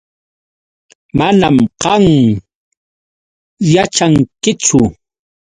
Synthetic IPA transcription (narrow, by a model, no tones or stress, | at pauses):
manamqɑŋ | jat͡ʃaŋkɪt͡sʊ